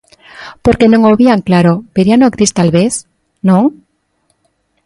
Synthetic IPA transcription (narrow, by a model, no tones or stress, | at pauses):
poɾkenõŋoβiaŋklaɾopeɾjanokɾist̪alβeθ | nõŋ